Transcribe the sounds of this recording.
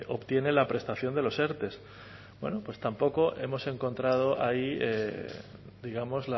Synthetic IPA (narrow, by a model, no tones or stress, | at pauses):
ʔo̞pt̪je̞ne̞lapɾe̞st̪aθjo̞nd̪e̞lo̞se̞ɾt̪e̞s | bwe̞̰nopwe̞st̪ampo̞ko̞ʔe̞̰mo̞se̞ŋko̞nt̪ɾað̞o̞ʔaie | d̪iɣamo̞zla